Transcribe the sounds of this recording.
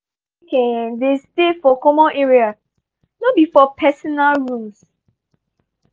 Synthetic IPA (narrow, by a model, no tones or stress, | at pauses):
kɛ̃destefɔkɔmɔ̃nʔɛɹia | nɔbifɔpʰɛsɔnalɹũms